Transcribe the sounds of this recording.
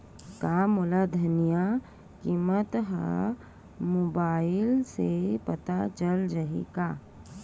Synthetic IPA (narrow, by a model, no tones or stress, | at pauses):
kamʊlad̪ʱɐnija | kimət̪ɦa̰ | moːbaːɪlsepɐt̪at͡ʃəld͡ʒaɦḛka